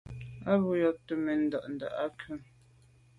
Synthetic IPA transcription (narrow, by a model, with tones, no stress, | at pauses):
a˦bu˦jɔ˦˨tə˦me˨n̩˦da˨ʔn̩˨da̰˨ʔa˦kʰə˦m